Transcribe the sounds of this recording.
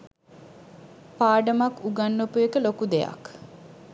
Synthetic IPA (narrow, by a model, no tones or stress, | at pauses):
paːɖəmakuɡanːopujekəlokud̪eja̰k